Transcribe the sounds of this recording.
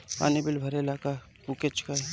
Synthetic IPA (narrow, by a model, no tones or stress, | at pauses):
pa̰ːnibɪlbʱɐɾelaka | buket͡ʃka